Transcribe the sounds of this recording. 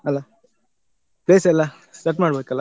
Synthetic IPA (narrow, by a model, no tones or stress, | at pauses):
ɐlːa | pleːsɛlːa | sʈɐʈmaːɽbʱeːkɐlːa